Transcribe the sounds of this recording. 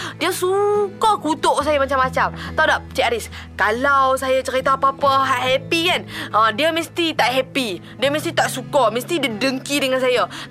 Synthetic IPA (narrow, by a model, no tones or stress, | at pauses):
diəsukakut̪oʔsajamat͡ʃamːat͡ʃamt̪awdaʔt͡ʃɛkaɾis | kalawsajat͡ʃəɾit̪aapəapəɦaʔɦɛpikanadiəməst̪it̪aʔɦɛpi | diəməst̪it̪aʔsukaməst̪idədəŋkidəŋans̬aja